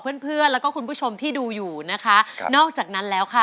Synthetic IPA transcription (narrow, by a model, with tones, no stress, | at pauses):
pʰɯ˥˩ənpʰɯ˥˩ənlɛ˦˥wkɔː˥˩ku˧npʰuː˥˩t͡ɕʰo˧mt̪ʰiː˥˩duː˧juː˨˩na˦˥kʰa˦˥nɔː˥˩k̚t͡ɕaː˨˩k̚na˦˥nlɛː˦˥wkʰa˥˩